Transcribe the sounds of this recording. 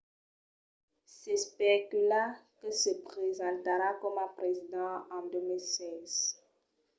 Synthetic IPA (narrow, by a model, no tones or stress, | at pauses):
sɛspekylakəsəpχezɑ̃t̪aɾakɔmãpχezid̪ɑ̃ɑ̃d̪ømilsɛːz̥